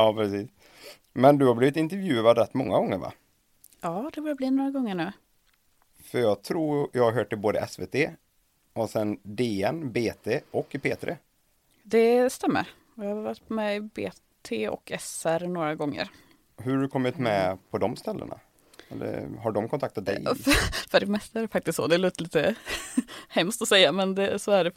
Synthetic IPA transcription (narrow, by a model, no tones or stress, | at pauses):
ɑːpʰɾɛsiːs | mɛnd̪ɵhabliːvɪt̪ɪnt̪ɛɾvjʉ̟ːad̪ɾɛt̪ːmɔŋːaɡɔŋːəɾva̰ | ɑːd̪ɛbuːɾabliːnoːɾaɡɔŋːəɳʉ̟ː | fœɾjɑːɡt̪ʰɾuːjɑhaɾɦøːʈːɪboːd̪əʔɛsveːt̪ʰeː | ɔsɛnd̪eːɛnbeːt̪ʰeːɔkːpʰeːt̪ɾḛː | d̪ɛst̪ɛmːə̰ɾ | ɪhaɾɾat̪pmɛbḛː | t̪ʰeːɔ̰kʰɛsæɾnoːɾaɡɔŋːə̰ɾ | ɦɵɖɵkʰɔmːɪt̪mɛpʰɔd̪ɔmst̪ɛlːə̰ɳa̰ | ɛlːə̰ɾɦaɖɔmkʰɔnt̪ʰakt̪at̪̚d̪ɛ̰jfœɖɛmɛst̪aæɖɛfak̚t̪ɪst̪sɔ̰d̪ɛloːt̪əliːt̪ə | hɛmst̪ɔsɛjːamɛnd̪ɛsɔæɖɛ